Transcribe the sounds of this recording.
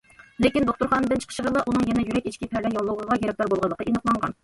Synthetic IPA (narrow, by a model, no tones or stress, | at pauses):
lekʲind̪oχt̪uɾχɑːnɨd̪ɪnt͡ʃʰə̥qʰʃəʁəɾlˠɑʔunɨŋjɛnɛjyɾɛkʲiʃkʲipʰæɾlɛnjɑlˠːuwʁəʁɑjʲɛɾɛk̚t̪ɑɾbolˠʁɑlˠːəqəenəqlˠɑɴʁɑ̰n